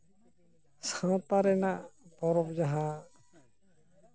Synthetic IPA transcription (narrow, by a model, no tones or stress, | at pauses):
sãt̪aɾɛnaʔpɔɾɔpd͡ʒaɦa